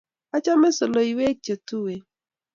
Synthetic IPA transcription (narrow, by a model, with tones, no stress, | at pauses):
a˦t͡ʃa˦me˦so˨lo˨i˨we˦t͡ʃe˨tu˦we˨